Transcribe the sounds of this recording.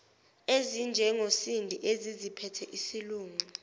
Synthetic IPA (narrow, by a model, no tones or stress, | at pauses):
ezind͡ʒʱɛŋosindʱiʔezizipʰɛtʰɛʔisiluːŋu